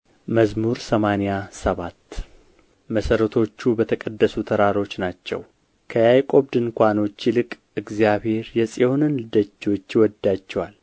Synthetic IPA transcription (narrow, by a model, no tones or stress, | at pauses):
məzmuɾsəmanijasəβat̪ː | məsəɾət̪ʰo̞t͡ʃːubət̪ʰəkʼəd̪ːəsut̪ʰəɾaɾo̞t͡ʃːnat͡ʃːɛ̰w | kʰəjajkʼo̞βd̪ɨnkʷano̞t͡ʃːilɨkʼ | ɨɡzijaβhe̞ɾjɛsʼeonɨnlɨd̪ət͡ʃːo̞t͡ʃːwɔd̪ːat͡ʃːɛwal